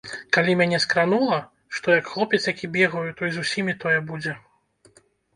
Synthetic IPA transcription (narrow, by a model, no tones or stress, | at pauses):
kalʲimʲanʲɛskɾanulˠɐ | ʂt̪ɔjɐkxlˠɔpʲɛt̪sjakʲibʲɛɣɐjut̪ɔjzusʲimʲit̪ɔjɛbud͡zʲɛ